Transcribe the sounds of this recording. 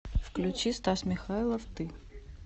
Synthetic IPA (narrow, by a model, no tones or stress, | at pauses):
fklʲʉt͡ɕist̪asmʲɪxailˠəft̪ɨ